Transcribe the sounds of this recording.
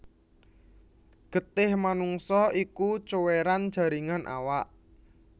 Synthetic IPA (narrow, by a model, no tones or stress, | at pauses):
ɡ̥ə̤t̪ɪhmanuŋsɔikut͡ʃoweɾand̥ʒ̥a̤ɾiŋanʔa̰waʔ